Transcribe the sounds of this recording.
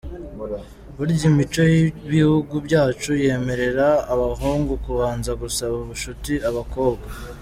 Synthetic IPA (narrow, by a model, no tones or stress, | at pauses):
βuɾiɟimit͡ʃo̞jiβihuɡubɟaːt͡ʃuje̞ːme̞ɾe̞ɾaːβaɦuːŋɡukuβaːnzaɡusaβuβuʃutiaβako̞ːbɡa